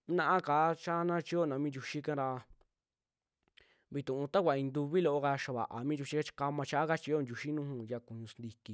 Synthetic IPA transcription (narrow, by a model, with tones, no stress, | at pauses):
nã˦ʔã˦kaː˨˦t͡ʃa˦nã˦t͡ʃi˧˦o˦˨nã˨˧mĩ˦d͡ʒu˧ʃi˦kã˦ɾa˧ | βi˧t̪ũ˨ũ˧t̪a˦kʷa˧˨ĩ˧nd̪u˧βi˦lo˧ʔo˧ɣa˧ʃa˧βa̰˨ʔa̰˨mĩ˦d͡ʒu˧ʃi˦a˦t͡ʃka˧mã˧t͡ʃa˧˦ʔa˦ka˦t͡ʃi˧o˦˧nd͡ʒu˧ʃi˦nũ˦hũ˧ja˧ku˨ɲũ˧snd̪i˧ki˧